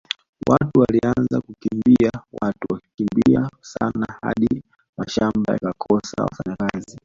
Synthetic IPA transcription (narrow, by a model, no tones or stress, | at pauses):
watuwalianzakukimbiawatuwaki̥kimbiasanaha̰ɗi | maʃambaja̰kakʰɔsawafaɲakazi